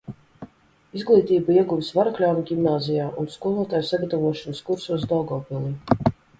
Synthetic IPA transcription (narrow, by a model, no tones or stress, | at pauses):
izɡlˠiːt̪iːbaiɛɡuvisvaɾaklʲawviɡʲimnaːzijaːʔunskuɔlˠuɔt̪aːjsaɡat̪avuɔʃɔnskuɾsuɔsd̪ɔɡɔːpilˠiː